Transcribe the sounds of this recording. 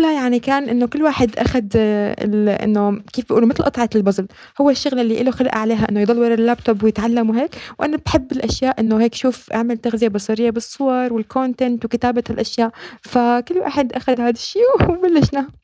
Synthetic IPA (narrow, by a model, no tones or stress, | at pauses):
lajaʕnikaːnʔɪnːokɪlːwaːħɪd̪ʔa̰xad̪ɪ̰ʔɪ̰nːokeːfbʔuːlumɪt̪lʔɑt̪ˤʕɑt̪ɪlbɑzˤl | hʊwːaʃːʊɣlɪlːiʔɪloxalʔa̰ʕaleːɦaʔɪnːojd̪ˤɑlːwɑɾˤɪlːaːb̚t̪obwɪjɪt̪ʕalːamwɦeːkwʔanabħɪbːɪlʔaʃjaːʔʔɪnːoheːkʃuːfʔa̰ʕmalt̪aɣzɪjabɑsˤɑɾɪjːabɨsˤːʊwɑɾˤwɪlkʰont̪ɛnt̪wɪkɪt̪aːbalʔaʃjaːʔfakɪlːwa̰ːħɪd̪ʔaxad̪haːd̪aʃːiːbalːɪʃna